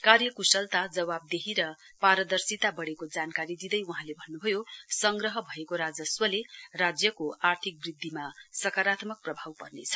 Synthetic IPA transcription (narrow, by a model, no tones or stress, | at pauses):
karjʌkusʌlt̪ad͡zʌwab̚d̪eɦiɾʌ | paɾʌd̪ʌrsit̪abʌɽekod͡zankaɾid̪id̪ʌjuɦãlebʱʌnːubʱʌjosʌŋɡrʌɦʌbʱʌekoɾad͡zʌswʌlerad͡zjʌkoart̪ʰik̚brid̪ʱːimasʌkaɾat̪mʌk̚prʌbʱawpʌrnet͡sʰʌ̥